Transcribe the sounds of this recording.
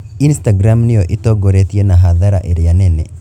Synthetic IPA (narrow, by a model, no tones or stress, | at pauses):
instaɡɾamnɪjoʔɪtoɡoɾet̪ienaɦaðaɾa̰ʔeɾianɛnɛ